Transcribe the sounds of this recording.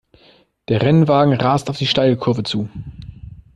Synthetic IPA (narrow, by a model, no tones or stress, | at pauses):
d̥eːɐʁɛnvaːɡŋ̩ʁaːstaʊfd̥iːʃtaɪlkʰʊɐvət͡suː